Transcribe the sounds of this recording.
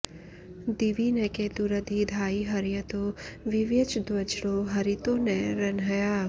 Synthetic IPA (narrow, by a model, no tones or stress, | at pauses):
d̪iʋinɛked̪uɾəd̪ʱid̪ʱaːiɦɐɾjət̪oʋɪʋjət͡ʃd̪ʋɐd͡ʒɽoɦɐɾit̪onɛɾɐnɦəjaː